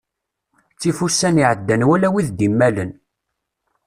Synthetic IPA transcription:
t͡sːifusːæniʕəd̪ːænwælæwiðd̪imːælən

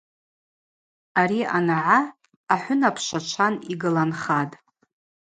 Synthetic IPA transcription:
aɾia̰naʕa | aħʷʊnapʰʃat͡ʃʷʰaniɡɨlanχatʼ

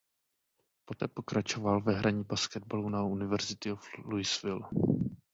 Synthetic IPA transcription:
po̞t̪ɛːpo̞kɾat͡ʃo̞valvɛɦɾʔaɲibaskɛd̪̚balunaunɪvɛɾzɪt̪ɪofluɪsvɪl

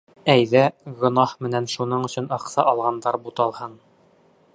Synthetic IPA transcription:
æjðæɡŏnɑhmɘ̆nænʃunɤɴɵ̆sɵ̆nɑqsɑʔɑlˠʁɑnd̪ɑɾbut̪ɑlˠhɤn

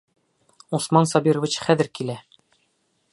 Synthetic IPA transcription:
usmɑnsɒbiɾŏvʲit͡ɕχæðɘ̆ɾkilæ

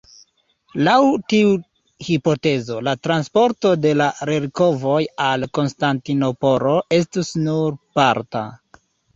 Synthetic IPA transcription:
lawtiu | hipo̞te̞zo̞latɾanspo̞ɾto̞de̞laɾeɾko̞vo̞jalko̞nstantino̞po̞ɾo̞ʔe̞s̬tusnuɾpaɾta̰

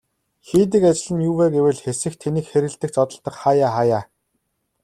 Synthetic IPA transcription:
xiːt̪̬ɘ̆kat͡ɕɪ̆ɮɘ̆njuːweːɡewɘ̆ɮxesɘ̆xt̪ʰeniːkxeɾɘ̆ɮt̪ɘ̆k̚t͡sɔt̪ɞ̆ɮt̪ɞ̆kχajaːχajaː

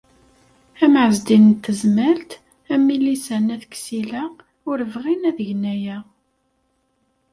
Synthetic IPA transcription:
æmʕəzd̪innt̪ːəzmælt̪ | æmːilisænæðəksilæ | ʊɾəvʁinæðəʝnæjæ

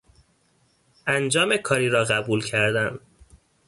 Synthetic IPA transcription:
ʔænd͡ʒɒːmekʰɒːɾiːɾɒːɣæbuːlcʰæɾd̪æm

